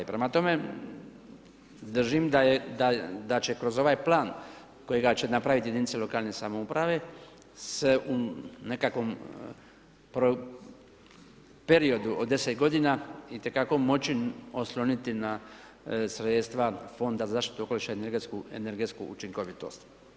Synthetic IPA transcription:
pɾemat̪o̞me | d̪r̩ʒimd̪ad̪ad̪at͡ɕe̞kɾo̞zo̞ʋaːjplaːn | ko̞jeɡat͡ɕenapɾaʋit̪ijed̪init̪selo̞kaːlˠne̞samoupɾaʋe̞ | se̞ʔune̞kakʋo̞m | pɾo | pe̞ɾio̞d̪uod̪ːe̞set̪ɡo̞d̪inait̪e̞kako̞mo̞t͡ɕio̞slˠo̞nit̪ina | sɾet̪st̪ʋafo̞nd̪azazaːʃt̪it̪uoko̞liʃaeneɾɡet̪skuḛne̞ɾɡet̪skṵut͡ʃiŋko̞ʋit̪o̞̰st̪

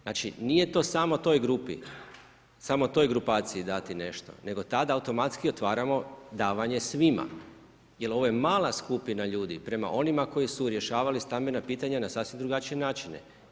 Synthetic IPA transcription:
naːt͡ʃḭnije̞t̪o̞samo̞t̪o̞jɡɾupḭ | samot̪o̞jɡɾupaːt̪siid̪at̪ine̞ʃt̪o̞̰ne̞ɡo̞t̪ad̪aːut̪o̞mat̪skio̞t̪ʋaːɾamo̞d̪aːʋaɲe̞sʋima̰ | je̞lˠo̞ʋoje̞maːlˠaskupinaʎuːd̪ipɾe̞ma̰ʔo̞nimako̞jisuɾje̞ʃaːʋalist̪ambe̞napiːt̪aɲanasafsʋimd̪ɾuɡat͡ʃije̞naːt͡ʃinḛ

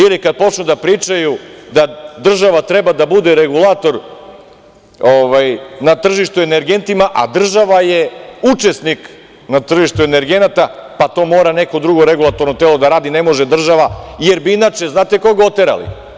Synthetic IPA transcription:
ilikad̪̚po̞t͡ʃnud̪apɾiːt͡ʃajud̪ad̪r̩ʒaʋat̪ɾebad̪abud̪e̞ɾeɡulˠaːt̪o̞ɾ | oʋajnat̪r̩ʒiʃt̪ueneɾɡe̞nt̪imaʔa̰d̪r̩ʒaʋaje̞ut͡ʃesnik | nat̪r̩ʒiʃt̪ue̞ne̞ɾɡe̞nat̪apat̪o̞mo̞ːɾane̞ko̞d̪ɾuɡo̞ɾe̞ɡulˠat̪o̞ɾno̞t̪elo̞d̪aɾaːd̪ine̞mo̞ʒed̪r̩ʒaʋaje̞ɾbiinat͡ʃe̞znaːt̪eko̞ɡaot̪eɾa̰lḭ

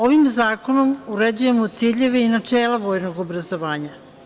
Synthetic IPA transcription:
o̞ʋimzaːko̞no̞muɾed͡ʑuje̞mot̪siʎe̞ʋeinat͡ʂeːlaʋo̞ːjno̞ɡobɾazo̞ʋaːɲa

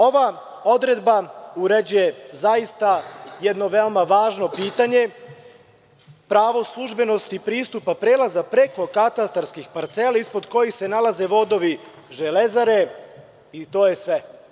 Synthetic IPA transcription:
o̞ʋa | o̞d̪ɾe̞d̪bauɾe̞d͡ʑuje̞zajist̪ajed̪no̞ʋe̞omaʋaːʒno̞piːt̪aɲe̞ | pɾaʋo̞slˠuʒbe̞no̞st̪ipɾiːst̪upapɾe̞ːlazapɾe̞ko̞kat̪ast̪aɾskixpaɾt̪se̞laispo̞d̪ko̞jixse̞nalaze̞ʋo̞d̪o̞ʋi | ʒe̞le̞zaɾe̞ | it̪o̞ːje̞sʋe

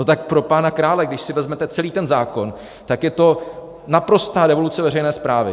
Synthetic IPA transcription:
not̪ak̚pɾo̞paːnakɾaːlɛɡdɪʃsɪvɛzmɛt̪ɛt͡sɛliːt̪ɛnzaːko̞n | t̪akjɛt̪o̞ | napɾo̞st̪aːɾɛvo̞lut͡sɛvɛrɛjnɛːspɾaːvɪ

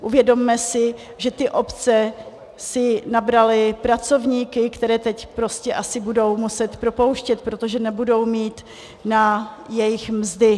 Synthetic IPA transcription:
ʔuvjɛdo̞mːɛsɪ | ʒɛt̪ɪʔo̞pt͡sɛ | sɪnabɾalɪpɾat͡so̞vɲiːkɪkt̪ɛɾɛːt̪ɛcpɾo̞scɛʔasɪbudo̞wmusɛt̪pɾo̞po̞wʃcɛt̪̚pɾot̪o̞ʒɛnɛbudo̞wmiːt̪ | najɛjɪxmzdɪ

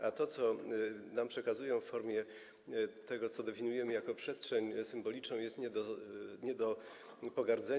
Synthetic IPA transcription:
ʔat̪ɔt̪sɔnampʂɛkazujɔ̃fːɔɾmʲjɛ | t̪ɛɡɔt̪sɔd̪ɛfʲiɲujɛmɘjakɔpʂɛstʂɛɲsɘmbɔlʲit͡ʂnɔ̃w̃jɛst̪ɲɛɔɲɛd̪ɔ | pɔɡaɾd̪zɛ

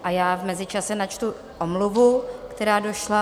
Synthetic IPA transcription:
ʔajaːvmɛzɪt͡ʃasɛnat͡ʃt̪u | ʔomluvukt̪ɛɾaːdo̞ʃla

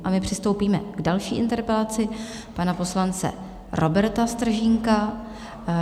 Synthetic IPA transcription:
ʔamɪpr̝̥ɪst̪o̞wpiːmɛɡdalʃiːʔɪ̰nt̪ɛɾpɛlat͡sɪ | panapo̞slant͡sɛ̰ | ɾʔo̞bɛɾt̪ast̪r̩ʒɪŋka

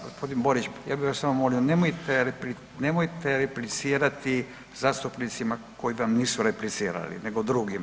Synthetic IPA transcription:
ɡospʰo̞d̪inbo̞ɾit͡ʃjaːbiʋassamomo̞lionemojt̪eɾepli | ne̞mojt̪eɾeplit̪siːɾat̪i | zast̪upnit̪sima | ko̞jiʋamniːsuɾeplit̪siːɾa̰lḭne̞ɡod̪ɾuːɡima

